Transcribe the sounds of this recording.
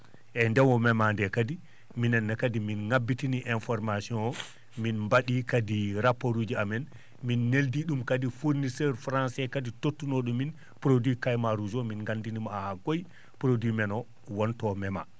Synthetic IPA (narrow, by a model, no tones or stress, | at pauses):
ʔɛndɛnwɔmɛmandɛkadi | minɛnːɛkadiminŋabːitiniʔɛnfɔɾmasiɔ̃nɔ | minmbaɗikadiɾapːoɾud͡ʒiamɛn | minːeldiɗumkadifuɾnisɛɾfɾansɛkaditotːunoɗumːin | pɾodwikajmaɾud͡ʒɔminŋɡandinimaahaɡoj | pɾodimɛnɔ | wɔntɔmɛma̰